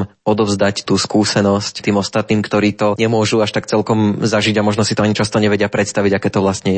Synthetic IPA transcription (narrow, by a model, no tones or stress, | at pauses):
mɔd̪ɔvzd̪act̪uːskuːsɛnɔsct̪iːmɔst̪at̪̚niːmkt̪ɔɾiːt̪ɔɲɛmʊɔʒuaʃt̪akt͡sɛlkɔmzaʒiɟamɔʒnɔsi̥t̪ɔaɲit͡ʃast̪ɔɲɛʋɛɟɪapɾɛt̪st̪aʋiɟakɛːt̪ɔʋlast̪ɲɛjɛ